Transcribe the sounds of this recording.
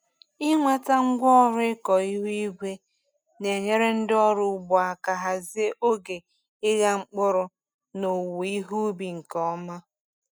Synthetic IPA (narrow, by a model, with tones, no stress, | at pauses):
ɪ˦ŋʷa˦ta˦ŋ̩˦ɡʷɔ˦ɔ˦ɾʊ˦ɪ˦kɔ˨i˦ɦu˦i˦ɡʷe˦ | ne˨ɲe˦ɾe˦n̩˦dɪ˦ɔ˦ɾʊ˨˦˨ɡ͡bɔ˨a˨ka˨ɦa˨zɪ˦e˦ʔo˦ɡe˨ | ɪ˦ɣa˦ŋ͡m̩˦k͡pʊ˦ɾʊ˦ | no˨wi˦ɦu˦bi˨ŋ̩˨kɔ˨˦ma˦